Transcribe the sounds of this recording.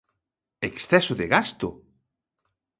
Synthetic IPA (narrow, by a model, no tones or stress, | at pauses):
eksθɛsʊðɪɣast̪ʊ